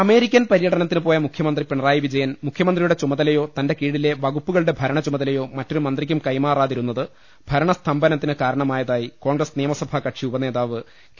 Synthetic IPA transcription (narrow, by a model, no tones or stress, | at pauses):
ɐme̞ːɾikʲːɐnpɐɾijɐɽɐnɐt̪ːinɨpo̞ːjɐmukʰjɐmɐnd̪ripeɳɐraːjiʋid͡ʑɐjɐnmukʰjɐmɐnd̪rijuɽe̞t͡ɕumɐðɐlɐjo̞ːt̪ɐnde̞kiːɽile̞ʋɐɣupːuɣɐɭɽebʱɐɾɐɳɐt͡ɕumɐðɐlɐjo̞ːmɐtːo̞ɾumɐnd̪rikʲːumkɐjmaːraːðiɾunːɐðɨ | bʱɐɾɐɳɐst̪ʰɐmbɐnɐt̪ːinɨkaːɾɐɳɐmaːjɐðaːjiko̞ːŋɡrɐsnijɐmɐsɐbʱɐkɐʈʂiubɐne̞ːðaːʋɨ